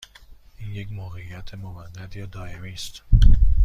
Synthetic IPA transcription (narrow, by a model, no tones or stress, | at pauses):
ʔiːnjecmoːɣeijæt̪ʰemomæd̪ːæd̪jɒːd̪ɒːemiːst̪